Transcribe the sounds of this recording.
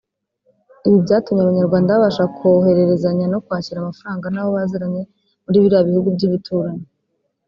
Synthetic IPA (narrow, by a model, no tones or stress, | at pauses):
iβibɟaːtumɲeaβaɲaɾɡwaːndaβaβaʃakʰoɦe̞ɾe̞ɾe̞zaɲano̞kwaːciɾamafaɾaːŋɡanaːβo̞βaːziɾaɲe̞ | muɾiːβiɾaβihuɡubɟiβitʰuːɾaɲe